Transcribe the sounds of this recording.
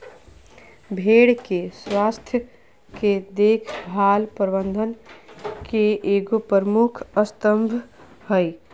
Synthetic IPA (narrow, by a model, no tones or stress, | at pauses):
bʱeːɽkeswaːst̪ʰjə | ked̪eːkʰbʱaːlpɾbə̃nd̪ʱənkeʔeːɡopɾəɾmukʰəst̪əmbʱ | həi